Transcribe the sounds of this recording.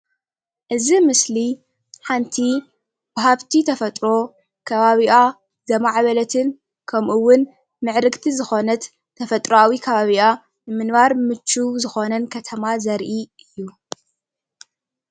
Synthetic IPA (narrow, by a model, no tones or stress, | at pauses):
ʔɨzimɨsli | ħant̪ʰi | b̥ɐɦaβt̪ʰit̪ʰɐfɐt̪ʼɾo̞ | kʰɐβaβiʔa | zɐmaʕβɐlɐt̪ʰɨn | kʰɐmʔuwʊn | mɨʕɾɨɡt̪ʰizɨxo̞nɐt̪ʰː | ɐfɐt̪ʼɾawikʰɐβaβiʔa | nɨmɨnβaɾmɨt͡ʃːuzɨxo̞nɐnkʰɐt̪ʰɐmazɐɾʔiʔɨjːu